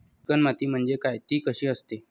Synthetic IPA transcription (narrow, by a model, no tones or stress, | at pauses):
kənmat̪iːm̤əɳd͡zekajt̪iːkəɕiːəst̪e